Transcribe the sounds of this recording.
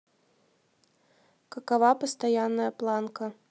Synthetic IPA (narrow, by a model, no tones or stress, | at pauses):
kɐkavapɐst̪ajanːɐjɐplˠankɐ